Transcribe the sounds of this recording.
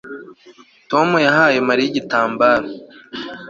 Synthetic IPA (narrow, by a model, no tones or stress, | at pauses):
to̞mujaɦaːjemaɾijiɟitaːmbaːɾo